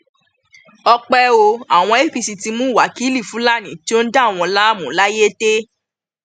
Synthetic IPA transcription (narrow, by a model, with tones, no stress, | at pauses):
ɔ˧k͡pɛ˧o˧a˨w̃ɔ̃˧e˦fi˧si˧ti˧mũ˦˨wa˨˦ki˦li˦˨fũ˨˦la˦˨nĩ˨˦ti˦o˦n̩˦da˦˨w̃ɔ̃˧la˦˨mũ˨˦la˦je˦te˦